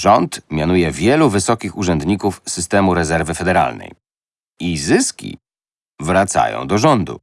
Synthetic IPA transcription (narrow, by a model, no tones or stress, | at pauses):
ʐɔnt̪mʲjanujɛvʲjɛluvɘsɔkʲixuʐɛnd̪ɲikufsɘst̪ɛmuɾɛzɛɾvɘfɛd̪ɛɾa̰lnɛ̰j | izɘskʲḭ | vɾat̪sa̰jɔ̰̃w̃d̪ɔʐɔnd̪ṵ